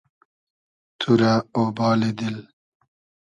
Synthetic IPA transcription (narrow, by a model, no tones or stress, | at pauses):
t̪ʰuɾaobɑːled̪il